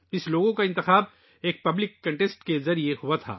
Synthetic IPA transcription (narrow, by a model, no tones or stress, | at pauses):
ɪsloːɡõkaɪnt̪ɪxaːb̚ | eːk̚pɐblɪkːɐ̃ɳʈesʈkezɐɾiehuat̪ʰa̰ː